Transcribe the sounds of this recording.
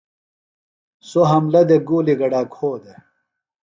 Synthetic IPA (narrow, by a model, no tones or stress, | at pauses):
soɦɐmlɐd̪eɡuːliɡɐɖaːkʰoːd̪e